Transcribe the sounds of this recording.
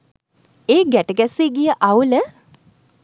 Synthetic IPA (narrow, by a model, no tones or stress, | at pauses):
eːɡæʈəɡæsiːɡijəʔawlə